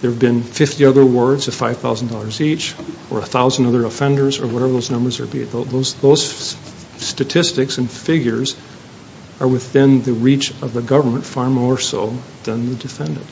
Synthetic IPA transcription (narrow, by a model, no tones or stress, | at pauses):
ðə˞vbɨ̃nfɪftiʌðə˞wɜ˞dzʌ̥faɪv̥θaʊzn̩dɔlˠə˞zit͡ʃ | ə̰˞əθaʊzn̩dʌðə˞əfɛ̃ndə˞zə̰˞wʌɾɛvə˞ðoʊznʌ̃mbə˞zə̰˞bḭt̚ðoʊðoʊzðoʊz̥ | stɨtʰɪstɨksɨ̃nfɪɡjə˞z | ə˞wɨθɪ̃nðɨɹit͡ʃʌvðəɡʌvə˞mə̃ntfɑɹmɔɹso̰ʊ | ðɨ̃nðɨdɨfɛ̃ndɨ̰̃n̩t